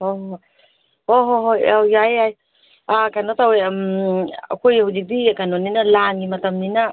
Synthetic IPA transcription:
oɦ | oɦoɦojajajaj | akanotawejma̰kʰojhud͡ʒik̚dikanoninalaŋɡimɐtamnina

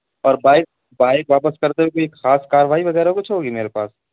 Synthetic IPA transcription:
ɔːɾbaːɪk̚ | baːɪk̚ʋaːpəskɐɾt̪eɦekoːieːkxaːskaːɾəʋaːiʋɐɣɛːɾaokʊt͡ʃʰɦoːɡimeːɾepa̰ːs

